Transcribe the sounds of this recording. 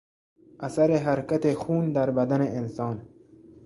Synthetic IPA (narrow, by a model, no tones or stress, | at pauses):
ʔasaɾeɦæɾkat̪exuːnd̪æɾbæd̪aneʔːnsɒːn